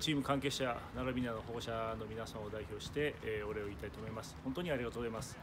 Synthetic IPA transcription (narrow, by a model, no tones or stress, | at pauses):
t͡ɕiːmɯ̟kãŋke̞ɕanaɡamʲinano̞ɦoɡoɕano̞mʲinasãɰ̃od̪aiço̞ːɕi̥t̪e̞o̞ɾe̞o̞iːt̪ait̪oːmo̞imasɨ̥ho̞nt̪o̞ɲ̟iaɾʲiɡat̪oɡozaimasɨ̥